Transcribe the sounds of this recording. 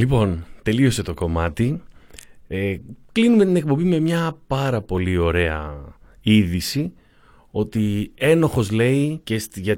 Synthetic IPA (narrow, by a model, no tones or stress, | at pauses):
lipo̞nt̪e̞lio̞se̞t̪o̞ko̞mɐt̪i | eklinume̞t̪ine̞k̚po̞mbime̞mɲɐpɐɾɐpo̞lio̞ɾe̞ɐ̰ | iðisi | o̞t̪ie̞no̞xo̞zle̞icest̪ʝɐ